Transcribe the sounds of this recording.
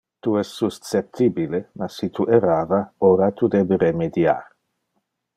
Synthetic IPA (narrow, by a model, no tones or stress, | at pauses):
t̪uɛst̪sust͡sep̚t̪ibilenasit̪uʔeɾaːvaoɾat̪ud̪ebeɾemed̪ja̰ɾ